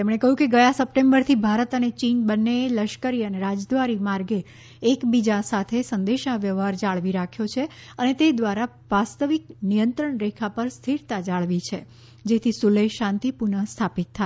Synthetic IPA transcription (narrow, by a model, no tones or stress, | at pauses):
emɳ̃ekəɦũkeɡəjasəp̚ʈẽmbəɾt̪ʰibʱaɾət̪ənet͡ʃinbənːeləʃkəɾiəneɾad͡ʒd̪ʋaɾimaɾɡeː | kbid͡ʒasat̪ʰesənd̪eʃnaʋjəʋɦaɾd͡ʒaɭʋiɾakʰjot͡ʃʰeənet̪ed̪ʋaɾa | ʋast̪əʋiknijənt̪ɾəɳɾekʰapəɾst̪ʰiɾt̪ad͡ʒaɭʋit͡ʃʰe | d͡ʒet̪ʰisuləjʃãnt̪ipuɳəst̪ʰapit̪̚ʰːa